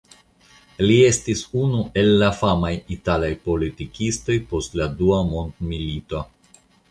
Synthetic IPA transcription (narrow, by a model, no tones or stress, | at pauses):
lie̞stisunuʔe̞lːafamajitalajpo̞litikisto̞jpo̞stladuamond̪milito